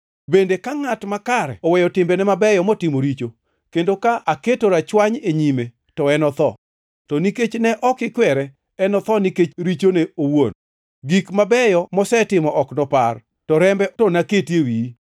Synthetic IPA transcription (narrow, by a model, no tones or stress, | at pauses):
bendekaŋatmakaɾɛ̰ɔwɛjɔtɪmbɛnɛmabɛjɔmɔtɪmoɾit͡ʃo | kendokaʔaketoɾat͡ʃwaɲeɲime | tɔɛnɔt̪ɔ̰ | tɔniket͡ʃnɛʔɔkɪkwɛɾɛ | ɛnɔt̪ɔniket͡ʃɾit͡ʃoneowon | ɡikmabɛjɔmɔsɛtɪmɔʔɔknɔpar | tɔɾɛmbɛtɔnaketjewi